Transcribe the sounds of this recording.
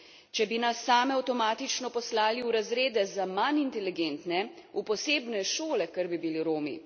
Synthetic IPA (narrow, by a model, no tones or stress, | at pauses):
t͡ʃɛbinasːaːmɛawt̪ɔmaːt̪it͡ʃnɔpɔslaːliuɾazɾeːd̪ɛzamanint̪ɛliɡent̪nɛupɔseːbnɛʃoːlɛkəɾbibiliɾoːmḭ